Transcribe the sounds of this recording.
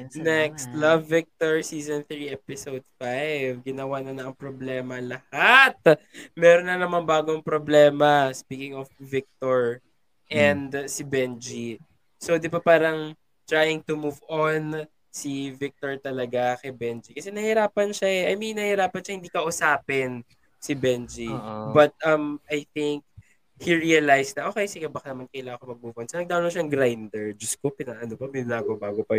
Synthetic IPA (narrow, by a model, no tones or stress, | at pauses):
nɛkst̪lɐvːɪk̚t̪oɹsiːzonθɹiʔɛpɪsowd̪̚fajvɡɪnɐwanɐnɐʔɐŋpɾoblɛːmɐlɐhat̪̚mɛːɾonːɐnɐmaŋbaːɡoŋpɾoblɛːmɐspiːkɪŋɔfvɪk̚t̪oɹ | ʔɛnd̪sibɛnd͡ʒi | sod̪ɪbapaːɾɐŋ | t̪ɹaːjɪŋt̪ʊmuːvon | sivɪk̚t̪oɹt̪ɐlɐɡakɛbɛnd͡ʒikɐsɛnɐhɪɾaːpɐnʃaʔɛʔɐjminːɐhɪɾaːpɐnʃɐhɪnd̪iːkɐʔʊsaːpɪn | sibɛnd͡ʒibɐt̪̚ʔɐmʔajθɪŋk̚ | hiɹiɐlajsnɐʔoːkejsɪɡɛbɐkanɐmankɐjlaŋɐkomɐɡ̚muvʔonsonɐɡ̚d̪awloŋʃaŋɡɾajnd̪ɛɹd͡ʒɐskopɪnaʔɐnopɐmɪnlaːɡobaːɡopɐ